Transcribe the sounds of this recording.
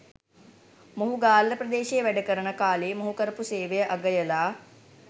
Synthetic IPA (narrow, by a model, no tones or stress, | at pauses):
moɦuɡaːlːəprəd̪eːʃejəʋæɖəkəɾənəkaːleːmoɦukəɾəpuseːʋəjəʔaɡəjəlaː